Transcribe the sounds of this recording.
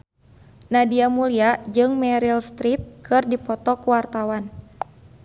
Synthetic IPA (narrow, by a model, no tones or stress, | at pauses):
nadiamuliad͡ʒɨŋmɛɾilst̪ɾip̚kʰɨrdipɔt̪ɔkuwart̪awan